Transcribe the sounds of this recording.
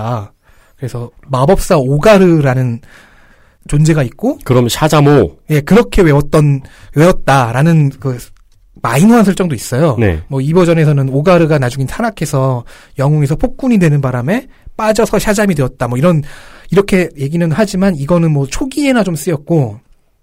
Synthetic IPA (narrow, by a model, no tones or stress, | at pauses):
a | kɯɾe̞sʰʌmabʌp̚s͈aoɡaɾɯɾanɯn | t͡ɕond͡ʑe̞ɡait̚k͈okɯɾʌmjɕʰad͡ʑamoje̞kɯɾʌkʰe̞we̞ʌt̚t͈ʌnwe̞ʌt̚t͈aɾanɯnkɯ | mainɦwansʰʌɭt͡ɕ͈ʌŋdois͈ʌjonḛmwʌibʌd͡ʑʌne̞s̬ʰʌnɯnoɡaɾɯɡanad͡ʑuŋintʰanakʰe̞sʰʌjʌŋoŋe̞sʰʌpʰok̚k͈uɲidwe̞nɯnbaɾame̞ | p͈ad͡ʑʌsʰʌɕʰad͡ʑamidweʌt̚t͈amwʌiɾʌniɾʌkʰe̞je̞ɡinɯnɦad͡ʑimaniɡʌnɯnmwʌt͡ɕʰoɡie̞nat͡ɕoms͈ɯjʌt̚k͈o